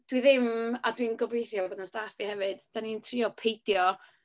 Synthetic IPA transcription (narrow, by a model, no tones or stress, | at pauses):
d̥wiðɪmadwinɡɔbejθjɔboːdnastafihɛvɨd̥d̥anintʰrɪɔpʰejdjɔ